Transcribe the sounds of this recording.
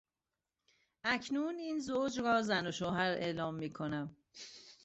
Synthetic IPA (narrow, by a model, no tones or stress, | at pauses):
ʔæcʰnuːniːnzoːd͡ʒɾɒːzænoʃoɦæɾḛːlɒːmːiːkʰo̞næm